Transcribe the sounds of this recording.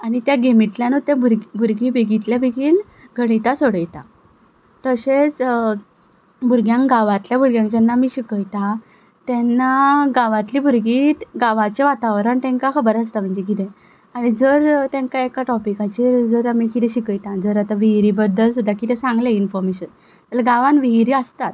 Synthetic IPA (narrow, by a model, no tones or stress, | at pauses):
aɽ̃it̪jaɡemiʈljanut̪ãbuɾɡbʱuɾɡibʱeɡit̪ljabʱeɡiːl | ɡʱəɽ̃it̪asoɽəjt̪a̰ | t̪əɕet͡s | bʱuɾɡjãŋkɡaʋãt̪ljabʱuɾɡjãŋkd͡ʑɛnːamiɕikəjt̪ã | t̪ɛnːaɡaʋãt̪liːbʱuɾɡiːt̪ɡaʋat͡ɕeʋat̪aʋɾəɳt̪ɛ̃ŋkakʰəbəɾaəst̪am̤əɳd͡zek̬it̪ɛ̃ | aɽ̃id͡zəɾt̪ɛ̃ŋkaekaʈɔpikat͡ɕid͡zəɾamikit̪ɛ̃ɕikəjt̪ãd͡zəɾat̪aʋiɦɾibəd̪ːəlsud̪ʱːakit̪ɛ̃sãŋɡleinfɔɾmeɕən | t̪əlaɡaʋãnʋiɦɾiəst̪at̪̚